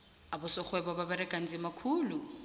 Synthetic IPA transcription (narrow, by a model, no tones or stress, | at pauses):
abʊsɔk͡xʰwɛbababaɾɛkʼan̩d͡zɪmakʰuːlu